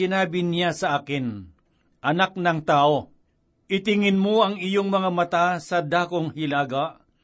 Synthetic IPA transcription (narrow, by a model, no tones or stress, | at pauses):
ɪnaːbɪnɪjasɐʔaːkɪn | ʔɐnak̚nɐŋt̪aːʔo̞ | ʔɪt̪ɪŋɪnmoɐŋɪjoŋmɐŋamɐt̪asɐd̪aːkoŋhɪlaːɡaʔ